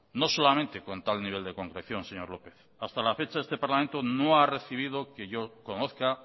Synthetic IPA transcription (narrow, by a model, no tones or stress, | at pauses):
no̞so̞lamẽ̞nt̪e̞ko̞nt̪alniβ̞e̞ld̪e̞ko̞ŋkɾeθjo̞nse̞ɲo̞ɾlo̞pe̞θ | ast̪alafe̞t͡ʃaðest̪e̞paɾlament̪ono̞are̞θiβ̞ið̞oke̞ʝo̞ko̞noθka